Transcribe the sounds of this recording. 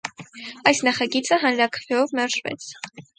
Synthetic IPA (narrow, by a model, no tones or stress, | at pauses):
ɑjsnɑχɑɡit͡səɦɑnɾɑkʰə̥vɛɔvmɛɾʒvɛ̰t͡sʰ